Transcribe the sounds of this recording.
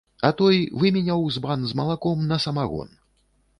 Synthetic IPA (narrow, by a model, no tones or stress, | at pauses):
ɐt̪ɔjvɨmʲinʲawzbanzmɐlˠakɔmnɐsɐmaɣɔ̰n